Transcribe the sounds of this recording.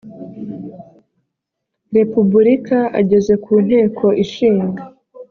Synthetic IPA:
ɾe̞pubuɾikaa̰ɟe̞ze̞kʰuːn̥he̞ːkʰo̞ʔiʃiːŋɡa

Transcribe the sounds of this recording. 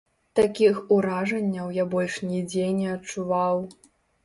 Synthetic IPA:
t̪akʲixuɾaʐɐnʲːɐwjabɔlʲʂnʲid͡zʲenʲɛɐt͡ʂuvaw

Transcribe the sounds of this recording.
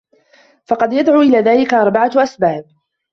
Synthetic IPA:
fɑqɑd̪jad̪ʕuːʔɪlaːðaːlɪkaʔɑɾˤbaʕaʔasbaːb̚

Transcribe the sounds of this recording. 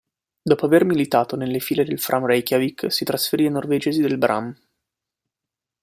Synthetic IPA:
d̪ɔːpoavermilit̪aːt̪onelːefiːled̪elfɾʔamrɛjkavikːsit̪ɾasfeɾianːorved͡ʒeːzid̪elbɾʔa̰m

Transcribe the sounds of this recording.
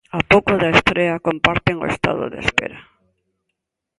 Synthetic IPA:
apowkʊðaest̪ɾeɐkompaɾt̪eŋo̰ḛst̪a̰ðʊ̰ðḛspḛɾa

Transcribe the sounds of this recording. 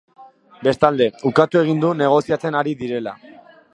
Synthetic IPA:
be̞st̪ald̪e̞ukat̪ue̞ɣ̞ind̪une̞ɣ̞o̞siat͡se̞naɾiðiɾe̞la

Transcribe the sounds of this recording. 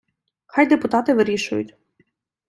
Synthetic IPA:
xɑjd̪epʊt̪ɑt̪ɪʋɪɾʲiʃʊjʊ̰tʲ

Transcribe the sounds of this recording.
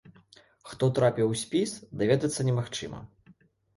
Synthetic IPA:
xt̪ɔt̪ɾapʲiwsʲpʲisd̪avʲɛd̪ɐt̪sːɐnʲɛmaxt͡ʂɨ̰mɐ̰

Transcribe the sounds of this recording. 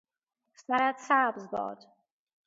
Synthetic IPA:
snaɾat̪sabzbɔ̰ːd̪

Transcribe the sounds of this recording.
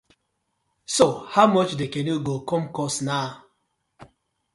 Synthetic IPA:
sohaʊmɔt͡ʃdekɛnuɡokɔ̃mkɔsna

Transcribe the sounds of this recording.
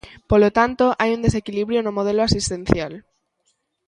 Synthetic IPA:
polot̪ant̪o̞ʔajund̪e̞s̬e̞kiliβɾjono̞moð̞e̞loasist̪ẽ̞n̟θjal

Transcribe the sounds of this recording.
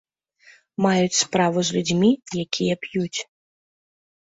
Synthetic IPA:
majut͡sʲspɾaʋuzʲlʲud͡zʲmʲijakʲʰijɛpjut͡sʲ

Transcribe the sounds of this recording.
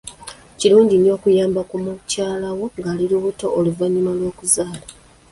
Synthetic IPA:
ciluːɲɟino̞ːkujaːmbakumucaːlawo̞ŋɡaːliɾuβuto̞ʔoluvaɲːimalwo̞ːkuzaːla

